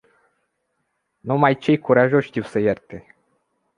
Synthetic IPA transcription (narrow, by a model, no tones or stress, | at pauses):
numajt͡ʃe̞jkuɾaʒo̞ʃʲʃt̪iwsəjert̪e̞